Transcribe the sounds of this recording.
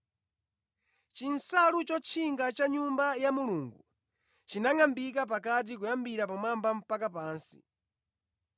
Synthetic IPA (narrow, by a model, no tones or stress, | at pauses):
t͡ʃinsalut͡ʃɔt͡ʃʰiŋɡat͡ʃaɲumbajamuluːŋɡu | t͡ʃinaŋambik̬ap̬akat̬ikujambiɾapamambam̩pakapaːnsi